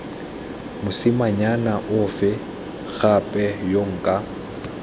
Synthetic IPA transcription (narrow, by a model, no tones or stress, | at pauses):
mʊsɪmaɲanaʔʊfɪ | ɣapʼɛjoŋ̩kʼa